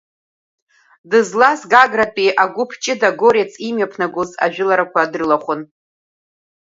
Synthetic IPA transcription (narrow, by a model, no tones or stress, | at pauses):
dɨzlasɡaɡrapʼiʔaɡʷʊpʰt͡ʃʼɪdaɡoɾet͡sʰʼimjapʰnaɡʷʊza̰ʒᶣʊlaɾakʷʰaːdrɨlaχʷʊn